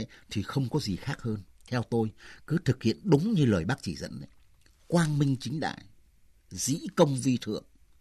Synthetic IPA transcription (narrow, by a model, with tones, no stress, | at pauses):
jt̪ʰi˨˩xə˧wŋ͡mkɔ˨˦zi˨˩xaː˦˥k̚həː˧nt̪ʰɛ˧wt̪o˧jkɨ˨˦t̪ʰɨ˨˩k̚hḭ˧˨ənɗʊ˨˦ŋ͡mɲɨ˧ləː˨˩jɓaː˦˥k̚t͡ɕi˧˩zə̰˧˥nɗə̰˨˦j | kwaː˧nmï˧ŋ̟t͡ɕï˨˦ŋ̟ɗa̰ː˧˨j | zḭ˧˥kə˧wŋ͡mvi˧t̪ʰɨ̰˧˩˨əŋ